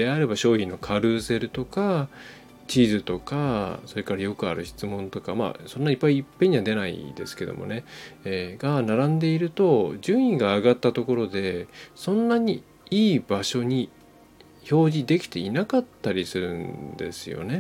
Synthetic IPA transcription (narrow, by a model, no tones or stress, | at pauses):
d̪̥e̞aɾe̞baɕo̞ːçĩnːo̞kʰaɾɯ̟ːse̞ɾɯ̟t̪o̞ka | t͡ɕiːzɨt̪o̞kaso̞ɾe̞kaɾajo̞kɯ̟a̰ɾɯ̟ɕi̥t͡sɨmõ̞nt̪o̞kama̰ːsõ̞nːaipːaiːpːẽ̞ɲ̟iβad̪e̞naḭd̪e̞sɨ̥ke̞d̪o̰mo̞̰ne̞ː | ɡanaɾãnd̪e̞iɾɯ̟t̪o̞d͡ʑɨ̃ɰ̃iɡaːɡat̪ːat̪o̞ko̞ɾo̞d̪e̞sõ̞nːaɲ̟i | iːbaɕo̞ɲ̟i | ço̞ːʑid̪e̞kʲi̥t̪e̞inakat̪ːaɾʲisɨɾɯ̟̃nd̪e̞̰sɨjo̞̰ne̞